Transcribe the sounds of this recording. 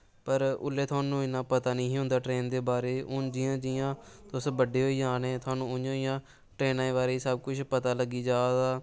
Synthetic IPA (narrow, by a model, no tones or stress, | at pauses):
pəɾʊ̰lːeːt̪ʰʊaːnũːɪnãːpət̪aːnĩːɦʊ̃nd̪aːʈɾeːnd̪eːbaːɾeːʊnd͡ʒɪjãːd͡ʒɪjãːt̪ʊsbəɖeːɦoːiːd͡ʒaːnẽːt̪ʰʊwaːnũːʊõːɪjãː | ʈɾeːnaːĩːbaːɾeːiːsəb̚kʊt͡ʃʰpət̪aːləɡiːd͡ʒaːd̪aː